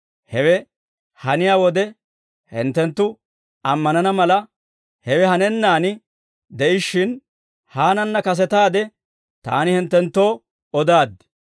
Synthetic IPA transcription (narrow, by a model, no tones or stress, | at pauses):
hɛwɛ | hɐnɪjaːwɔd̪ɛ | hɪ̰nt̪ːɛnt̪ːʊ | ɐmːɐnɐnɐmɐlɐ | hɛwɛhɐnɛnːaːnɪ | d̪ɛʔɪʃːɪn | haːnɐnːɐkɐs̬ɛt̪aːd̪ɛ | t̪a̰ːnɪhɪnt̪ːɛnt̪ːoː | ɔd̪aːd̪ɪ